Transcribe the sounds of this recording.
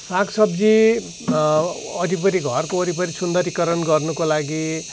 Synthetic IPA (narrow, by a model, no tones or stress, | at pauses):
saksʌbd͡zi | ʌɾipʌɾiɡʱʌrkoːɾipʌɾisund̪ʌɾikʌɾʌnɡʌrnukolaɡi